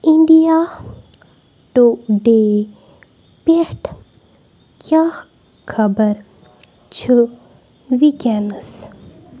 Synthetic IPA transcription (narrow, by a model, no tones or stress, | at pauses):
iɳɖija | ʈoɖe | peʈʰ | kja | kʰɐbəɾ | t͡ʃʰɨ | ʋikɛnəs